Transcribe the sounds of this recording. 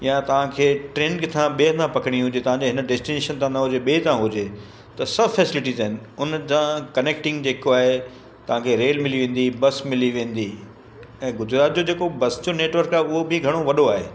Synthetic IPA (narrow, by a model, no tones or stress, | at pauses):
jãt̪ɐʋ̤ãkʰeːʈɾẽːnkɪt̪ʰãɓeːət̪ʰãpɐkɽ̃iɦʊd͡ʑet̪ɐʋ̤ãɲd͡ʑeɦɪnɖeːsʈineːʃənt̪ʰãnɐɦʊd͡ʑeɓeːt̪ʰãɦʊd͡ʑe | t̪ɐsɐbfɛːsɪlɪʈizaːɦɪnɪ̆ʊnd͡ʑãkɐneːk̚ʈɪ̃ŋɡd͡ʑeːkoaːɦe | t̪ɐʋ̤ãkʰeɾeːlmɪliʋẽːn̆d̪ibɐsmɪliʋẽːn̆d̪i | ɛ̃ːɡʊzɾaːt̪̚d͡ʑod͡ʑeːkobɐsd͡ʑoneːʈʋəɾkaːɦeʊɦobɪɡʱɐɽ̃oʋɐɗoaːɦḛː